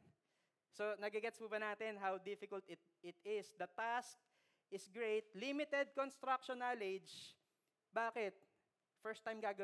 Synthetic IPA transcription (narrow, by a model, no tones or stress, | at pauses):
sonɐɡɪɡɛt̪spubɐnaːt̪ɛnɦawd̪ɪfɪkɐlt̪ɪt̪̚ɪt̪ɪsd̪ɐt̪ask̚ | ʔɪsɡɹejt̪̚limɪt̪ɛd̪̚konst̪ɾak̚ʃɔnaled͡ʒ | baːkɛt̪̚ | fɛɹst̪ajmɡaːɡɐ